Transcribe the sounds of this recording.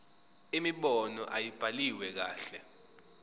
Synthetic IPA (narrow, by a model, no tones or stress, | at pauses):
imiɓɔnɔ̰ʔajib̥ʱaliwɛk̬aːɬɛ